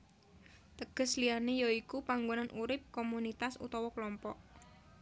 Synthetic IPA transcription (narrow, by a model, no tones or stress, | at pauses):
t̪əɡ̥əslianejoikupaŋɡonanʔuɾɪp̚komunit̪asṵt̪ɔwɔkəlɔmpɔʔ